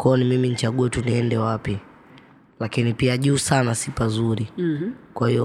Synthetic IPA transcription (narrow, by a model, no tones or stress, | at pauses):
kɔnimiminit͡ʃaɠuɛtuniɛndɛwapi | lakinipiaʄuːsanasipazuɾikwahijɔ